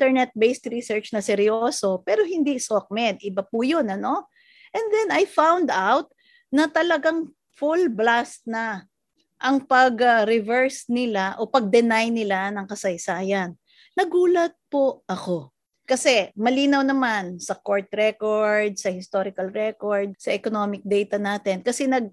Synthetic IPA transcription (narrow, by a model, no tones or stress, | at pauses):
t̪ɛnɛt̪̚bejst̪ɾisɛɹt͡ʃnɐsɛɾjoːso̞pɛːɾo̞ɦɪnd̪isok̚mɛd̪ʔɪbɐpujonɐno̞ | ʔɛnd̪ɛnɐjfawnd̪awt̪̚ | nɐt̪ɐlɐɡaŋ | fulblast̪̚nɐ | ʔɐŋpɐɡɐɾɪvɛɹsnɪlaʔo̞pɐɡ̚d̪ɛnajnɪlanɐŋkɐsɐjsaːjɐnː | ɐɡuːlɐt̪̚poʔɐko̞ | kɐsɛmɐliːnɐwnɐmansɐkoɹt̪̚ɾɛkoɹd̪̚sɐhɪst̪oɾɪkɐlɹɛkoɹd̪̚sɐʔɛkono̞mɪk̚d̪ɛjt̪ɐnaːt̪ɪnkɐsɛnɐɡ̚